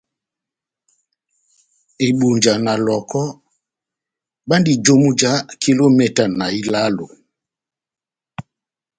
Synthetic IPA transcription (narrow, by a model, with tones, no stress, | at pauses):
e˨ɓu˨ɲd͡ʒa˨na˨lɔ˨kɔ˦ | ɓa˦ndi˨d͡ʒo˦mu˦d͡ʒa˨˦ki˦lo˦mɛ˨ta˨na˨i˦la˦lo˨